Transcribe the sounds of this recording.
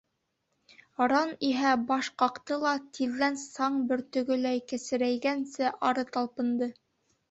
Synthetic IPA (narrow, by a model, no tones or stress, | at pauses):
ɑɾɑniɦæbɑʃqɑqt̪ɤlˠɑt̪iðːænsɑɴbɘɾt̪ɵ̆ɡɵ̆læjkɘ̆sɘ̆ɾæjɡænsɘʔɑɾɤt̪ɑlˠpɤ̆nd̪ɤ